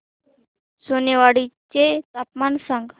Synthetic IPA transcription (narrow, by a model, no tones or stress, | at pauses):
soneʋaɽit͡ʃet̪apmansəŋɡ